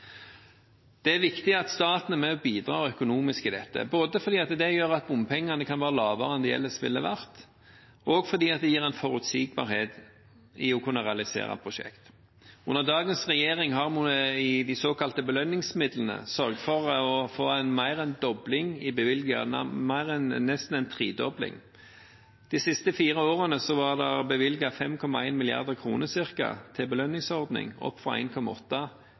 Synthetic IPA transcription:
d̪̥ɛæɾʋɪkt̪ɪɑt̪st̪ɑːt̪nəmɛɔbiːd̪ɾɑːœkʊnuːmɪskɪd̪ɛt̪ːə̰boːd̪əfɔɾd̪iːɑt̪d̪ɛjøːɾɑt̪̚bʊmpʰɛŋːɑnəkʰɑnʋæːɾəlɑːʋəɾəɛnd̪ɛjɛ̰lːəsʋɪ̰lːəʋæʁt̪ | ʔɔɡfɔɾd̪iːɑt̪̚d̪ɛjiːɾɛɪnfɔɾʉt̪siːɡ̚bɑ̰ɾheːt̪ | ɪɔkʰʉnːəʁɛɑlɪsḛːɾɑ̰pʰɾʊʃɛ̰kt̪ | ʉnːəɾd̪ɑːɡənsʁɛjeːʁɪŋɦɑʁmʊnɪd̪æɪsoːkɑlt̪əbəlœnːɪŋsmɪd̪lən̩ə̰sœɾɡ̚t̪fɔʁɔfoːæɪnmæɪʁɛnd̪ɔblɪŋɪbəʋɪlɡɑ̰mæɪʁɛnnɛst̪n̩æɛnt̪ʰʁiːd̪ɔblɪ̰ŋ | d̪̥isɪst̪əfiːɾəoːɾənəsɔʋɑʁd̪ɛʁbəʋɪlɡɑfɛmkʰɔmɑæɪnmɪlɪɑ̰ʁd̪əʁkʰɾuːnəsɪʁkɑ̰t̪ʰɪbəlœnːɪŋsɔʁd̪nɪ̰ŋɔ̰pːfʁɑ̰ʔæ̰ɪnkʰɔmɑ̰ɔt̪ːɑ

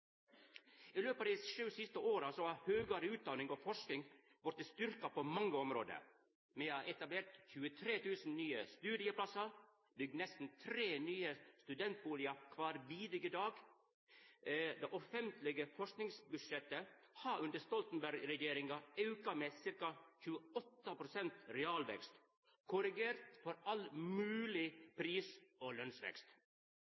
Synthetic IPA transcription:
iːløːpɑd̪ɛːsʃʉːsɪst̪əoːɾɑsoːhɑːɾhøːɡɑɾəʉːt̪̚d̪ɑːnɪŋoːfɔʂknɪŋ | ʋɔɾt̪ɪst̪ʏɾkɑpʰoːmɑŋːəɔmɾo̰ːd̪ə̰ | meːɑʔɛt̪ɑbleːɾʈ̪çʉːət̪ʰɾeːt̪ʰʉːsn̩nyːəst̪ʉːd̪ɪəpʰlɑsɑɾ | bʏɡ̪̚nɛst̪n̩t̪ʰɾeːnyːəst̪ʉd̪ɛnt̪̚buːlɪɑkʰʋɑːɾʋiːd̪ɾɪɡəd̪ɑːɡ | d̪ɛːʔɔfɛnt̪lɪɡəfɔʂknɪŋsbʉdʂɛt̪əhɑʔʉnd̪əst̪ɔlt̪n̩bæɾɡɾɛjeːɾɪŋɑɑʉkɑmeːsɪɾkɑçʉːəɔt̪ːəpʰɾʊsɛnt̪ɾɛɑːlʋɛ̰kst̪ | kʰʊɾɪɡeːɾt̪fɔɾɑlmʉːlɪpʰɾiːsoːlœnsʋɛ̰kst̪

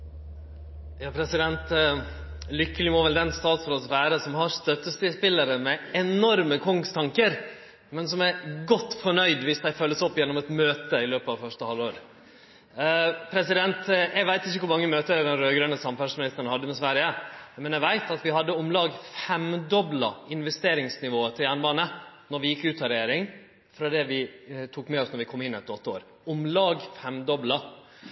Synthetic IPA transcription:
jɑːpʰɾɛsɪd̪ɛnt̪ | lʏkːəlɪmɔʋɛld̪ɛnst̪ɑːt̪sɾoːsʋæːɾəsɔmhɑɾst̪œt̪ːəst̪ɪspɪlːəɾəmɛɛnɔɾməkʰɔŋst̪ʰɑŋkəɾ | mɛnsɔmæɾɡɔt̪ːfɔɳœʏd̪ʋɪsd̪æɪfœlːəsɔpːjɛnːɔmɛt̪møːt̪əɪløːpəɑʋfœʂʈəhɑlːoːɾ | pʰɾɛsɪd̪ɛnt̪æɪʋæɪt̪ɪçːəkʊɾmɑŋːəmøːt̪əd̪ɛnɾøːɡɾœnːəsɑmfæʂmɪnɪst̪əɾən̩hɑd̪ːəmɛsʋæɾɪəmɛnæʋæɪt̪ɑt̪ʋɪhɑd̪ːəʊmlɑːɡfɛmd̪ɔblɑɪnʋɛst̪eːɾɪŋsnɪʋoːət̪ʰɪljæɳʋɑːnənɔɾʋɪjɪkːʉːt̪ɑɾɛjeːɾɪŋ | fɾɑd̪ɛʋɪt̪ʰuːkmɛɔsnɔɾʋɪkʰɔmːɪnːɪɛt̪ːɔt̪ːəo̰ːɾ | ʊmlɑːɡfɛmd̪ɔblɑ

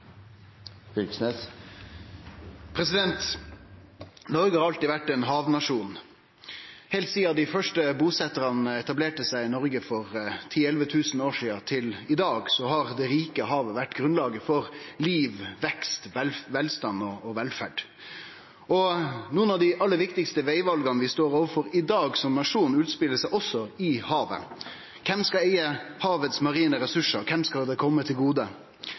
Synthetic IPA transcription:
pʰɾɛsɪd̪ɛnt̪ | nɔɾɡəhɑɾɑlt̪ɪʋæʈːɛnɦɑːʋnɑʂuːn | hɛɪlt̪siːɑd̪ɪfœʂʈəbuːsɛt̪əɾɑnəɛt̪ɑbleːʈəsæɪɪnɔɾɡəfɔɾt̪ʰiːɛlʋət̪ʰʉːsnoːʂiːɑt̪ʰɪlɪd̪ɑːɡsɔhɑʁd̪ɛɾiːkəɦɑːʋəʋæʈːɡɾʉnlɑːɡəfɔʁliːʋʋɛkst̪ʋɛlʋɛlst̪ɑnːɔɔʋɛlfæɖ | ɔnuːənɑʋd̪ɪʔɑlːəɾʋɪkt̪ɪkst̪əʋeɪʋɑlɡɑnəʋɪst̪oːɾoːʋəfɔɾɪd̪ɑːɡsɔmnɑʂuːnn̩ʉːt̪spɪlːəsæɪʔɔsːɔɪhɑːʋə̰ | kʰɛmskɑæɪəhɑːʋət̪smɑʁiːnəɾɛsʉʂəɾkʰɛmskɑld̪ɛkʰɔmːət̪ʰɪlɡuːd̪ə

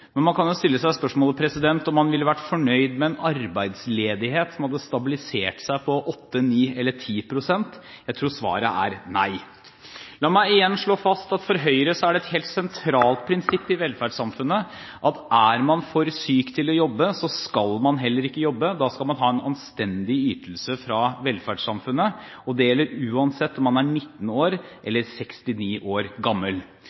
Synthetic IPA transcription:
mɛnmɑnkʰɑnjʊst̪ɪlːəsæɪspœʂmoːləpʰɾɛsɪd̪ɛnt̪ɔmːɑnʋɪlːəʋæʈfɔɳœʏd̪mɛɛnɑɾbæɪd̪sleːd̪ɪheːt̪sɔmhɑd̪ːəst̪ɑbɪlɪseːʈsæɪpʰɔʔɔt̪ːəniːɛlːəʈʰiːpʰɾʊsɛnt̪ | jæɪt̪ʰɾuːsʋɑ̰ːɾə̰æ̰ɾnæ̰ɪ | lɑːmæɪɪjɛnːʂɭoːfɑst̪ɑt̪fɔɾɦœʏɾəsɔæɖɛt̪heːlt̪sɛnt̪ʰɾɑːlt̪̚pʰɾɪnsɪpːɪʋɛlːfæsɑmfʉnːə | ʔɑt̪ʔæɾmɑnfɔɾsyːkt̪ʰɪlɔjɔbːəsɔskɑlmɑnɦɛlːəɾɪkːəjɔbːəd̪ɑːskɑlmɑnɦɑːɛnɑ̰nst̪ɛnd̪ɪyːt̪əlsəfɾɑʋɛlfæɖʂɑmfʉnːə | ɔd̪ɛjɛlːəɾʉːɑnsɛt̪ːɔmɑnæɳɪt̪ːn̩oːɾʔɛlːəɾsɛkst̪ɪniːʔoːɾɡɑmːəl

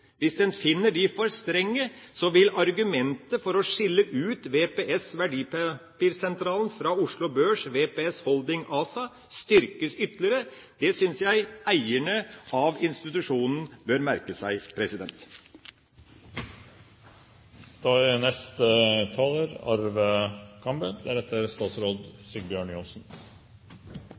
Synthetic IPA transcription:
ʋɪsd̪ɛnfɪnːəɖɪfɔɾst̪ɾɛŋːəsɔʋɪlɑɾɡʉmɛnt̪əfɔɾɔʂɪlːəʔʉːt̪ʋeːpeːʔɛsʋæɖiːppiːɾsɛnt̪ʰɾɑːln̩fɾɑʊʂlʊbøːʂʋeːpeɛshɔld̪ɪŋɑːsɑ | st̪ʏɾkəsʏt̪lɪɾə | d̪̥ɛsʏnsjæɪæɪəɳəʔɑʋɪnst̪ɪt̪ʉʂuːnn̩bøɾmæɾkəsæɪpʰɾɛsɪd̪ɛnt̪ | d̪̥ɑːɪnɛst̪ət̪ʰɑːləɾɑ̰ɾʋəkʰɑmbəd̪æɾɛt̪ʰːəɾst̪ɑːt̪sɾoːd̪sɪɡbjøːɳjɔnsn̩

